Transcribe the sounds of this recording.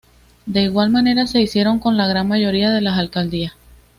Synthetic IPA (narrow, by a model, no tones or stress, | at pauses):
d̪e̞iɣwalmane̞ɾase̞isje̞ɾo̞ŋko̞nlaɣɾanmaʝo̞ɾiaðe̞lasalkald̪ias